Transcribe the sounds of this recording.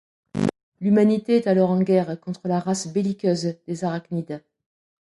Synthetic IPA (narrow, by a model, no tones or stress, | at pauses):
lymanit̪eɛt̪alɔʁɑ̃ɡʲɛʁkɔ̃t̪χəlaʁasbelikʲøzd̪ezaʁaknid̪a